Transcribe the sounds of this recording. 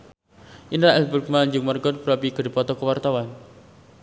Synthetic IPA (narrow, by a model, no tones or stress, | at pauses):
ʔinɾaʔɛlburk̚maɲd͡ʒʊŋmərɡɔt̪̚bɾɔpiɡ̥ədipɔt̪ɔkəwart̪awan